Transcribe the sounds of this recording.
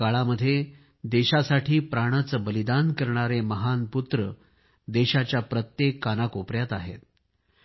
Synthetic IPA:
aɭaməd̪ʱːje | d̪eɕasaʈʰiːpɾaɽ̃at͡səbəlid̪ankəɾɳ̃aɾeməɦanput̪ɾə | d̪eɕat͡ɕjapɾət̪jekːanakopɾjat̪aɦḛt̪̚

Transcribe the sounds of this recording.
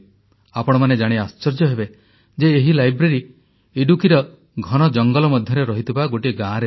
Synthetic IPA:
apɔɽ̃ɔmaned͡ʒaɽ̃east͡ʃɔɾd͡ʒɔɦebe | d͡ʒeːɦilajbɾeɾi | iɖukiɾɔ | ɡʱɔɽ̃ɔd͡ʒɔŋɡɔlɔmɔd̪ʱjɔɾeɾɔɦit̪ʰibaɡoʈiɡãɾe

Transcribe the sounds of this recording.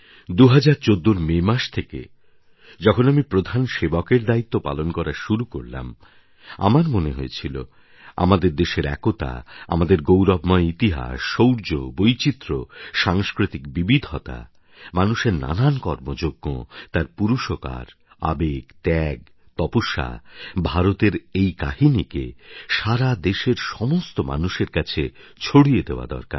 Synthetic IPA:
d̪uɦad͡ʑaɾt͡ɕod̪ːoɾmemaʃt̪ʰekḛ | d͡ʑɔkʰonamipɾod̪ʱanʃebakeɾd̪ait̪ːopa̰lonkɔɾaʃuɾuko̰ɾla̰m | a̰maɾmoneɦoet͡ɕʰilo̰ | a̰mad̪eɾd̪eʃeɾɛ̰kot̪a̰a̰mad̪eɾɡowɾɔbmɔeit̪iɦa̰ʃːowɾd͡ʑobojt͡ɕit̪ːɾoʃaŋskɾit̪ikbibid̪ʱɔt̪a̰ | manuʃeɾna̰nankɔɾmod͡ʑoɡːo̰t̪aɾpuɾuʃoka̰ɾ | a̰beɡt̪ɛɡ | t̪ɔpoʃa̰bʱaɾot̪eɾejka̰ɦinikḛʃaɾad̪eʃeɾʃɔmost̪oma̰nuʃeɾkat͡ɕʰet͡ɕʰoɽied̪eoa̰d̪ɔ̰ɾka̰ɾ

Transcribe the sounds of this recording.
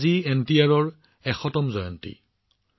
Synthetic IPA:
ziɛntijaɹɔɹ | ɛxɔtɔmzɔjɔ̰ntḭ

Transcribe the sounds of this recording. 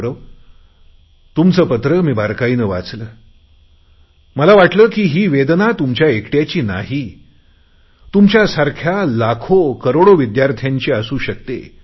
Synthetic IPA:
ɾəʋ | t̪umt͡səːpət̪ɾəmiːbʱaɾkaiːnəʋa̰t͡sləː | məlaʋaʈləːkiːɦiːʋed̪nat̪umt͡ɕjaekʈjat͡ɕiːna̰ɦi | t̪umt͡ɕjasaɾkʰjalakʰokəɾoɽoʋid̪jaɾt̪ʰjãɲt͡ɕiːəsuːɕək̚t̪ḛ

